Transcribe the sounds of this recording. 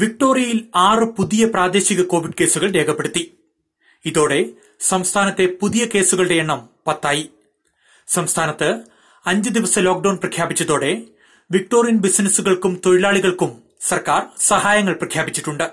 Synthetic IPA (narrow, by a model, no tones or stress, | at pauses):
ʋik̚ʈo̞ːrijɐjilaːrɨpuðijɐpraːd̪e̞ːɕiɣɐko̞ːʋiɖ̚ke̞ːsuɣɐɭɾe̞ːkʰɐpːe̞ɽut̪ːi | iðo̞ːɽe̞ | sɐmst̪ʰaːnɐt̪ːe̞puðijɐke̞ːsuɣɐɭɽe̞eɳːɐmpɐt̪ːaːji | sɐmst̪ʰaːnɐt̪ːɨ | ɐɲd͡ʑɨd̪iʋɐsɐlo̞ːk̚ɖɐwnprɐkʰjaːbit͡ɕːɐðo̞ːɽe̞ | ʋik̚ʈo̞ːrijɐnbisnɐsuɣɐɭkumt̪o̞ɻilaːɭiɣɐɭkum | sɐrkaːrsɐhaːjɐŋːɐɭprɐkʰjaːbit͡ɕːiʈːuɳɖɨ